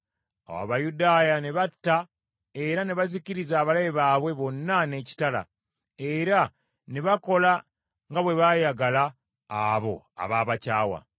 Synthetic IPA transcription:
a̰wa̰βajudaːjane̞βatːa | e̞ɾane̞βaziciɾizaːβalajeβaːβwe̞βo̞nːane̞ːci̥tala̰ | e̞ɾa | ne̞βako̞la | ŋɡaβwe̞βajaɡalaː | βo̞̰ | a̰βaːβacaːwa̰

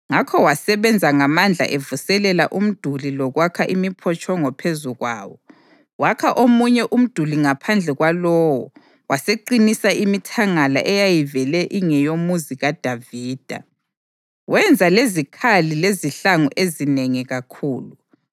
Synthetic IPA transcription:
ŋakʰɔwasɛβɛnd͡zʱaŋamand͡ɮʱa̰ʔevusɛlɛla̰ʔum̩d̥ʱulilɔɣwakʰaʔimipʰɔt͡ʃʼʰɔŋɔpʰezuɣwa̰ːwɔ | wakʰaʔomuɲɛʔum̩d̥ʱuliŋapʰand͡ɮʱɛɣwalɔːwɔ̰ | waseǃinisaʔimitʰaŋala̰ʔɛjajivɛlɛʔiŋɛjomuziɣad̥ʱaviːd̥ʱa̰ | wɛnd͡zʱalezikʰalileziɬaŋṵʔezineŋiɣakʰuːlu

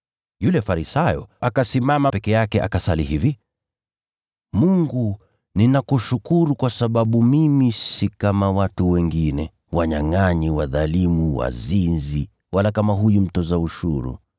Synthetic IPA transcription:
julɛfaɾisajɔ̰akasimamapɛkɛjakɛʔa̰kasalihivi | muŋɡu | ninakuʃukuɾukwasaɓaɓumimisikamawatuwɛŋɡinɛ | waɲaŋaɲiwaðalimuwa̰zinzi | walakamaɦujum̩tɔzauʃuɾṵ

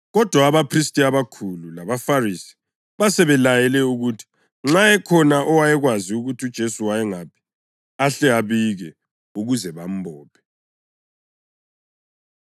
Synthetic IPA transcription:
ɣɔd̥ʱwaːβapʰris̬tʼiaβakʰululaβafarisi̥ | βasɛβɛlajɛlɛuɣutʰi̥ | ŋ͡ǁajɛkʰɔnaʔɔwajɛɣwaziuɣutʰud̥ʒ̥ʱesuwajɛŋapʰi̥ | aɬɛaβiɣɛ | uɣuzɛβam̩bʱɔːpʰɛ̥

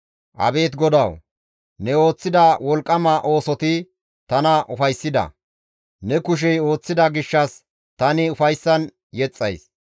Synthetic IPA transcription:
ʔɐ̰be̞ːt̪ɡɔd̪ɐw | nɛo̞ːt͡sːɪd̪ɐwɔlkʼːɐmɐʔo̞ːsɔt̪ɪ | t̪ɐnɐʔʊfɐjsːɪd̪ɐ̰ | nɛkʊʃ̬ɛjo̞ːt͡sːɪd̪ɐɡɪʃːɐs | t̪ɐnɪʊfɐjsːɐn | jɛt͡sʼːɐ̰js

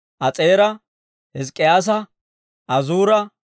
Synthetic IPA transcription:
ʔɐt͡sʼeːɾɐ | hɪs̬kʼːɪjaːs̬ɐ | ʔɐzuːɾɐ

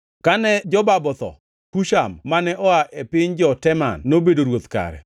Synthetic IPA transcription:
kanɛd͡ʒɔbabɔt̪ɔ̰ | kuʃamːanɛʔɔaʔepɪɲd͡ʒɔtɛma̰nːobedoɾwot̪ka̰ɾɛ̰

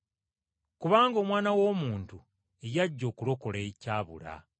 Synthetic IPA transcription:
kuβaːŋɡo̞ːmwaːnawo̞ːmuːntu | ejaɟːo̞ːkulo̞ko̞lecaːβṵɾa̰

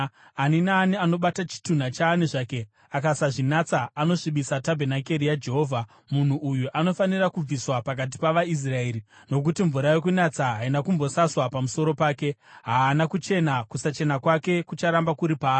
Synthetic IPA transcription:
aninaːniano̞ɓatat͡ʃi̥tun̤at͡ʃaːniʐaːke̞ | akasaʐinat͡saːno̞ʂiɓisatabʱe̞nake̞rijad͡ʒe̞ɦo̞ːvʱa | mun̤uʔujuʔano̞fanirakub͡viswapak̬at̬i̥paʋais̬rae̞ːɾi | no̞k̬utiɱvuɾaje̞k̬unat͡saɦainakumbo̞saswapamuso̞ɾo̞paːke̞ɦaːnakut͡ʃe̞nakusat͡ʃe̞nakwake̞kut͡ʃaɾambakuɾipaː

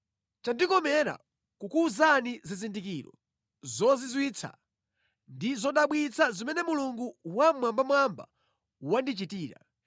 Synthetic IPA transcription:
t͡ʃandikɔmɛɾa̰ | kukuzanizizindikiɾɔ̰ | zɔzizwit͡sʰa̰ | ndizɔɗaɓwit͡sʰazimɛnɛmuluŋɡuwamwambamwamba̰ | wandit͡ʃitiːɾa̰

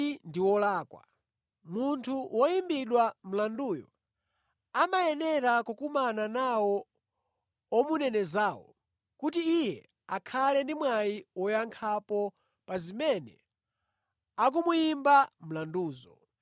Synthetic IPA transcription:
ndiwɔlaːkwa̰ | muntʰuwɔjimbiɗwam̩landuːjɔ | amajɛnɛɾakukumananawɔ | ɔmunɛnɛzaːwɔ̰ | kutiːjɛ | akʰalɛndimwajiwɔjaŋkʰapɔ | pazimɛnɛ̰ | ak̬umujimbam̩landuːzɔ̰

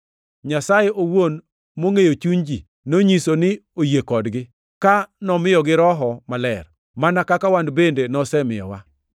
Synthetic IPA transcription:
ɲasajeʔowon | moŋejot͡ʃuɲd͡ʒi | noɲisonɪojekɔdɡɪ | kanɔmɪjɔɡɪɾɔɦɔmalɛ̰r | manakakawandbendenɔsɛmɪjɔ̰wa̰

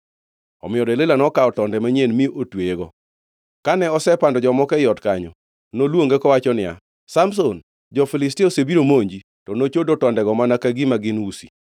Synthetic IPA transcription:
ɔ̰mɪɔdɛlelanɔkaɔtɔndɛmaɲenmiʔotweɡɔ | kanɛɔsɛpandɔd͡ʒɔmɔkɛjɔtkaɲɔ | nolwoŋɡɛkɔwat͡ʃɔnɪja̰ | sams̬on | d͡ʒɔfɪlɪstiosebiɾomoɲd͡ʒi | tɔnot͡ʃodotɔndɛɡɔmanakaɡimaɡɪnusi̥̰

